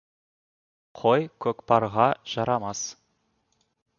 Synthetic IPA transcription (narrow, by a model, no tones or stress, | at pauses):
qʰojkʲʰɵkpɑɾʁɑʒ̥ɑɾɑmɑs